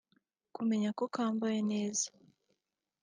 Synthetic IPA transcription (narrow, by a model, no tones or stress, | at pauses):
kume̞ɲako̞kaːmbajene̞ːzḁ